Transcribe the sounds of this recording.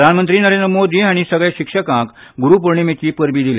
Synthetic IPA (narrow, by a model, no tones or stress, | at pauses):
d̪ʱaɳmənt̪ɾiːnəɾend̪ɾəmod̪ʱiːaɽ̃isəɡɭeɕikʂəkãk | ɡuɾuːp̬əɾɳemet͡ɕiːpəɾbiːd̪ilḛ